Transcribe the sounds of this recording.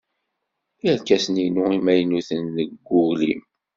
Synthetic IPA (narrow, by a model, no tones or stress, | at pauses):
iæɾkːæsninuimæjnuθənːəɡːʊʁlḭm